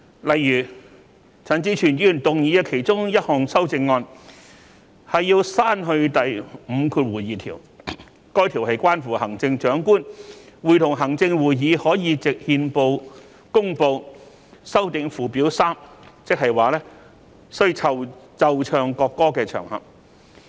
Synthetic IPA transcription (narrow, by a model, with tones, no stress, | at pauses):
lɐ˨jjyː˨˩ | t͡sʰɐ˨˥nt͡siː˨˥t͡ʃʰyː˨˩njyː˨˩nt̪ʊ˨ŋjiː˨˧ɐ˧kʰe˨˩jt͡sʊ˥ŋjɐ˥t̚hɔː˨˩ŋsɐ˥wt͡sɪ˧ŋːɔː˧n | hɐ˨jːiː˧wsaː˥nɦɵ˧ɥt̪ɐ˨jm̩ː˨˧kʰuː˧t̚wuː˨˩jiː˨t̪ʰiː˨˩w | kɔː˥jt̪ʰiː˨˩whɐ˨jkʷwaː˥nfuː˨˩hɐ˨˩ŋt͡sɪ˧ŋt͡ʃœː˨˥ŋkuː˥nwuː˨jt̪ʰʊ˨˩ŋɦɐ˨˩ŋt͡sɪ˧ŋwuː˨˩jjiː˨˧hɔː˨˥jiː˨˧t͡sɪ˨k̚hiː˧npo˧w | kʊ˥ŋpo˧w | sɐ˥wt̪ɪ˧ŋfuː˨˩piː˨˥wsaː˥mt͡sɪ˥k̚hɐ˨jwaː˨lɛː˥ | sɔ˥ji˧t͡sʰɐ˨˩wt͡sɐ˨wt͡ʃʰœː˨ŋkɔː˧kːɔː˥kɛː˧t͡ʃʰœ̰ː˨˩ŋhɐ̰˨p̚